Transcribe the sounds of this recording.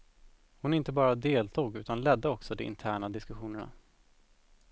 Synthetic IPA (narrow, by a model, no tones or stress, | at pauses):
hʊnɪnt̪əbɑːɾad̪eːlt̪ʰuːɡʉ̟ːt̪anlɛd̪ːəɔksɔd̪ɛɪ̰nt̪ʰæːɳad̪ɪskɵɧuːnəɳa̰